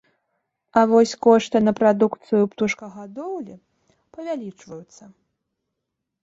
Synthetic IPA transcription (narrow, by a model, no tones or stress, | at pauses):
ɐvɔsʲkɔʂt̪ɨnɐpɾad̪ukt̪sɨjupt̪uʂkɐɣad̪ɔwlʲi | pɐvʲalʲit͡ʂvɐjut̪sːɐ